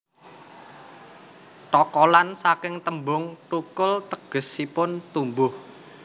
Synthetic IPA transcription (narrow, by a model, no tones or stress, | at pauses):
ʈɔkɔlansakɪŋt̪əmbʊŋʈukʊlt̪əɡ̥ə̤sːipʊnt̪umbʊh